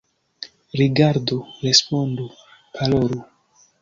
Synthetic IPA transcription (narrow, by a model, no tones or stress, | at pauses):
ɾiɡaɾdoɾe̞spondu | pʰaloɾu